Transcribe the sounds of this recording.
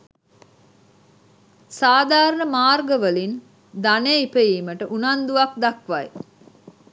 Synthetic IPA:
saːd̪aːɾəɳəmaːrɡəʋəlin | d̪aneipəiːməʈəʔunand̪uʋakd̪akʋaj

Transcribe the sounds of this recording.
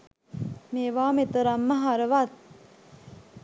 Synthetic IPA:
meːʋaːmet̪əɾamːəɦaɾəʋat̪̚

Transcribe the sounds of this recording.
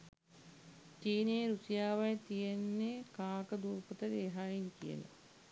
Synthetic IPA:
t͡ʃiːneːɾusijaːʋajət̪ijenːekaːkəd̪uːpət̪əɾeːɦaːiŋkijə̰la̰

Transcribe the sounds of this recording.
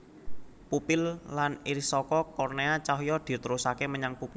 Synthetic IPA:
pupɪlːaniɾisɔkɔkɔrneat͡ʃaɦjɔd̪̥i̤t̪əɾusakeməɲaŋpup

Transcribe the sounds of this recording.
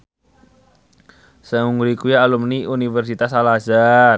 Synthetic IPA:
səŋuŋɡɾikujaalumniʔunifɛrsit̪asalaza

